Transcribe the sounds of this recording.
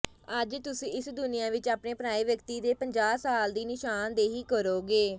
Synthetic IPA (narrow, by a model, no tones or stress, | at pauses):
əd͡ʒt̪ʊsĩːɪsd̪ʊnɪjãːʋɪt͡ʃaːpneːpnaːiːʋjəkt̪iːd̪eːpəɲd͡ʒaːsaːld̪iːnɪʃaːnd̪eːɦiːkəɾoːɡeː